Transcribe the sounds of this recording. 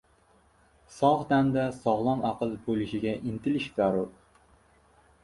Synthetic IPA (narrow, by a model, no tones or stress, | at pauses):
sɒʁd̪and̪asɒʁlˠɒnɑqɨlˠbolɪʃɪɡʲaʔɪnt̪ʰɪlɪʃzaɾʊɾ